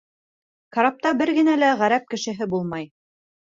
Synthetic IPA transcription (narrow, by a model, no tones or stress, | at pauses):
kɑɾap̚t̪ɑbɘɾɡɘ̆nælæʁæɾæp̚kɘ̆ʃɘ̆ɦɘbulˠmɑj